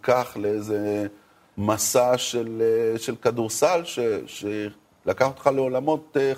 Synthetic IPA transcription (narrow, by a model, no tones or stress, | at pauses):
kaχleejze | masaʃelʃelkaduʁsalʃeʃe | lakaχot̪χaleo̞lamo̞te